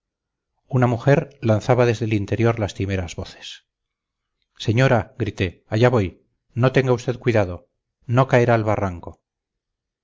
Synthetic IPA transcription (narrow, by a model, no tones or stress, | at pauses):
unamuxe̞ɾlanθaβaðe̞zðelint̪e̞ɾjo̞ɾlast̪ime̞ɾazβo̞θe̥s | se̞ɲo̞ɾaɡɾit̪e̞aʝaβo̞j | no̞t̪e̞ŋɡaust̪e̞ðkwiðaðo̞ | no̞kaeɾaːlβaraŋko̞